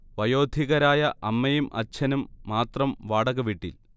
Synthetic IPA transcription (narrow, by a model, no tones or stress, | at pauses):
ʋɐjo̞ːd̪ʱiɣɐɾaːjɐʔɐmːɐjumʔɐ̰t͡ɕʰɐnumːaːt̪rɐmʋaːɽɐɣɐʋiʈːḭl